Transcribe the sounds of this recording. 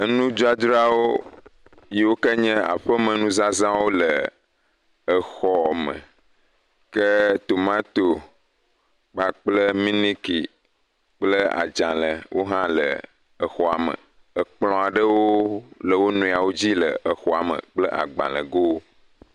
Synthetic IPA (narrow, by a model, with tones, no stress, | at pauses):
ə˦nũ˦d͡ʒɔ˦a˦d͡ʒɾa˦wo˦ | ji˦wo˦kə˦ɲɛ̃˦a̰˨ɸə˦mə̃˨nũ˦za˦zã˦wo˦lə˨ | ə˨xɔ˨mə̰̃˨ | kə˦t̪o˨mã˦t̪o˨ | k͡pa˨k͡plə˦mĩ˦nĩ˦ki˨ | k͡plə˦a̰˨d͡ʒã˨lə˨wʔo˦ɦã˦lə̰˨ | ə˨xɔ˨a˨mə̰̃˨ | ə˨k͡plɔ̃˨a˨ɖə˦wo˦lə˨wo˦nũ˨a˨wo˦d͡ʑi˦lə̰˨ʔə˨xɔ˨a˨mə̰̃˨k͡plə˦ʔa̰˨ɡ͡bã̰˨lə̰˨ɡo˦wo˦